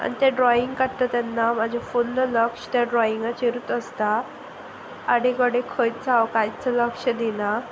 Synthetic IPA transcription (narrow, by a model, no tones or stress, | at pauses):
a̰ñit̪eɖɾɔiŋɡkəɽt̪ət̪anːam̤ad͡ʑʱefulːləkʂə̥t̪jaɖɾɔiŋɡat͡ɕiɾut̪əst̪a | ɽeɡəɽekʰəjt̪̚d͡zawkajt͡sələkʂəd̪ina